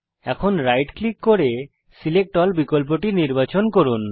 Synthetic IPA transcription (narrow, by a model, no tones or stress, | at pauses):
ɛkʰonɾajʈklikːoɾe | silek̚ʈɔlbikolp̬oʈiniɾbat͡ɕonkoɾun